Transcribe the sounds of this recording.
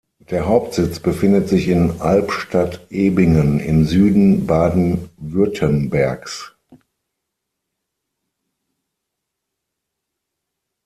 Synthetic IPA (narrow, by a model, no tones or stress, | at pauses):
d̥eːɐɦaʊp̚tz̥ɪt͡sb̥əfɪndətz̥ɪçɪnʔalpʃtatʔeːbɪŋənɪ̰mzyːdn̩baːdn̩vʏɐtʰənbɛɐks